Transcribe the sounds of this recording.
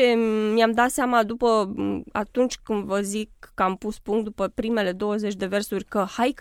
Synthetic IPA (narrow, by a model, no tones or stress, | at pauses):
emjamd̪at̪seamad̪upəa̰t̪unt͡ʃʲkɨnd̪vəzikːəampuspuŋkt̪̚d̪upəpɾime̞le̞d̪o̞wəze̞t͡ʃʲd̪e̞ve̞rsurʲkəhajk